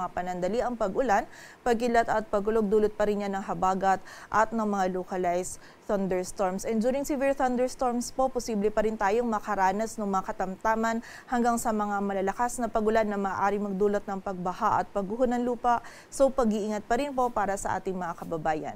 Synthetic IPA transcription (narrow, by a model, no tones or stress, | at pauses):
ŋapɐnɐnd̪ɐliʔɐŋpɐɡʔʊlan | pɐɡ̚kɪlɐt̪ɐt̪̚pɐɡ̚kʊloɡ̚d̪uːlot̪̚pɐɾɪnɲanːɐŋɦɐbaːɡɐt̪̚ | ʔɐt̪̚nɐŋmɐŋalokɐlajs | θɐnd̪ɛɹst̪oɹmsʔɛnd̪uːɾɪŋsivɪɹθɐnd̪ɛɹst̪oɹmspo̞posiːblɛpɐɾɪnt̪aːjoŋmɐkɐɾaːnɐsnoŋmɐŋakɐt̪ɐmt̪aːmɐn | hɐŋɡaŋsɐmɐŋamɐlɐlɐkasnɐpɐɡʊlanːɐmaːʔaːɾɪŋmɐɡ̚d̪uːlot̪̚nɐŋpɐɡ̚bɐhaʔɐ̰t̪̚pɐɡʊɦonːɐŋluːpɐʔ | so̞wpɐɡiʔiŋɐt̪̚pɐɾɪnpo̞paːɾɐsɐʔa̰ːt̪ɪŋmɐŋakɐbɐbaːjɐ̰n